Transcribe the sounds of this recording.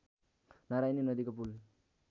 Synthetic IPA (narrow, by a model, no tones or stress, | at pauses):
naɾajninʌd̪ikop̬ul